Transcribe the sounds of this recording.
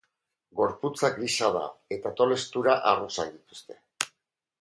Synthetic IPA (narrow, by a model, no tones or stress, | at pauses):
ɡo̞ɾput͡sakɡiʃaða̰e̞t̪at̪o̞le̞st̪uɾaʔarusaðit̪u̥st̪e̞̥